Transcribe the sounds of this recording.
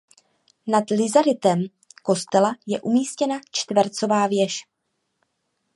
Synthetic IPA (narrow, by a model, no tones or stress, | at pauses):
nadlɪzaɾɪt̪ɛm | ko̞st̪ɛlajɛʔumiːscɛnat͡ʃt̪vɛɾt͡so̞vaːvjɛʃ